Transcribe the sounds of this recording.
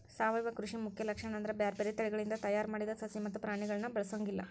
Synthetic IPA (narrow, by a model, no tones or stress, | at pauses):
saːʋɐjʋɐkɾuʂimukʰjɐlɐkʂɐɳɐnd̪ɐɾɐbjaːɾbeɾet̪ɐɭɛɡɐɭind̪ɐt̪ɐjaːɾmaːɽid̪ɐsɐsimɐt̪ːupɾaːɳiɡɐɭɐnːɐbɐɭɐsoːŋɡilːɐ̰